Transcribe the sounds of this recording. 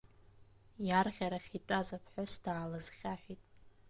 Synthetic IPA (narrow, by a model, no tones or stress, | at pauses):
jarʁʲaɾaχʲitʷʼazapʰħʷᶣosd̥aːlazχʲaħʷᶣitʼ